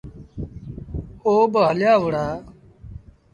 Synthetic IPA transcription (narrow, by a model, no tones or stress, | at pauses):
oːbəɦəljaːʋəɽaː